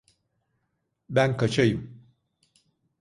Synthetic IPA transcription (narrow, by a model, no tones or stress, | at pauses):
bænkʰat͡ʃʰajɯm